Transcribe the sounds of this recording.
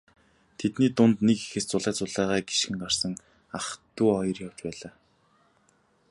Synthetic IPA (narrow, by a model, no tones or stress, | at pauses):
t̪ʰet̪niːt̪ʊnt̪neke̥xĕst͡sʊɮæːt͡sʊɮæːʁæːɡi̥ʃxɘ̆ŋɢar̥sə̆ŋ | aχt̪uːɔjɞ̆rjaw̥t͡ɕpæːɮaː